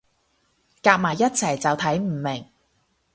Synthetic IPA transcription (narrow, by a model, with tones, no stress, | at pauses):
kaː˧k̚maː˨˩jːɐ˥t̚t͡sʰɐ˨˩jt͡sɐ˨wt̪ʰɐ˨˥jm̩˨˩mɪ˨˩ŋ